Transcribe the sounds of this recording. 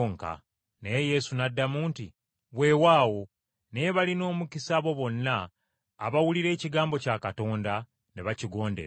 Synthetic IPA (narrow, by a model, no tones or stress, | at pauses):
ŋka̰ | neeje̞sunadːamuːnti | βwe̞ːwaːwo̞ | ne̞βalino̞ːmukisaβo̞βo̞nːaː | βawuliɾe̞ːciɡaːmbo̞caːkato̞ːnda | neβaciɡo̞ːndeɾ